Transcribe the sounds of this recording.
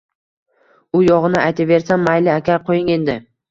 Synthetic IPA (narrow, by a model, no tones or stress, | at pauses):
ʊjɒʁɨnɪajt̪ʰave̞ɾsanːajlɪakʲaɾqʰojɪŋe̞nd̪ɪ